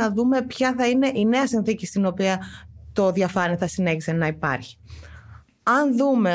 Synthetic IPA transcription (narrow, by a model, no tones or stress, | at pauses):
ɐðume̞pçɐθɐine̞ʔine̞ɐsinθicist̪ino̞piɐt̪o̞ðjɐfɐniθɐsine̞çise̞nɐipɐ̰ɾçi̥ | ɐnðume̞